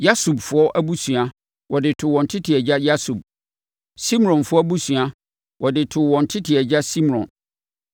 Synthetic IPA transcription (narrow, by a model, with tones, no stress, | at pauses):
ja˦su˨bfʊ˨˦ɔ˦ʔæ˦bu˦sɥa˦ | wʔɔ˨dɪ˨tʰʊ˨wɔ̃˨n̩˨tʰɪ˦tʰɪ˨ɛ˨d͡ʑa˦ja˦su˨b̚ | sĩ˦m˨ɔ̃˨nfʊ˦ɔ˦bu˦su˨a˦ | wɔ˨dɪ˨tʰʊ˨wɔ̃˨n̩˨tʰɪ˦tʰɪ˨ɛ˨d͡ʑa˦sĩ˦m˨ɾɔ̰̃˨n